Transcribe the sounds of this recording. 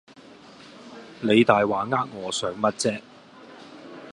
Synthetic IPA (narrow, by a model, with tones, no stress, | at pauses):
ne˨˧jt̪aː˨jwaː˨˥ŋaː˥k̚ŋɔː˨˧sœː˨˧ŋmɐ˥t̚t͡sɛː˥k̚